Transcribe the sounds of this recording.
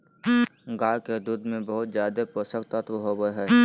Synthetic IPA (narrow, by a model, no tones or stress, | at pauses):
ɡaːked̪ud̪mẽbəɦʊt̪zjaːd̪epɾəsəkt̪ət̪ʋəɦobəɦɛː